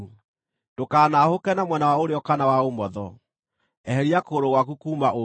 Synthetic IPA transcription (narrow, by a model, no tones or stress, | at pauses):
d̥okaːnahokɛnamwɛnawaoɾeɔkanawaomɔðɔ̰ | ɛhɛɾiakoːɾoɣwakukuːmaʔo